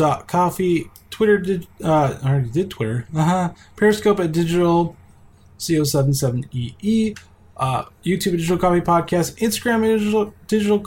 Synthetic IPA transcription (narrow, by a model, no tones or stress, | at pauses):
ɑt̚kʰɔfi | tʰw̥ɪɾə˞dɪd͡ʒʌɛdɪd̚tʰw̥ɪɾə˞ʌɦʌ̃ | pʰɛɹɨskoʊpɨt̚d̥ɪd͡ʒɨɾl̩ˠ | sioʊsɛvn̩sɛṽn̩iʔi | ʔʌjʉtʰʉbɨdɪd͡ʒɨɾl̩ˠkʰɑfipʰɑd̚kʰæstɪ̃nstəɡɹæ̃mˠd̥ɪd͡ʒɨɾl̩ˠ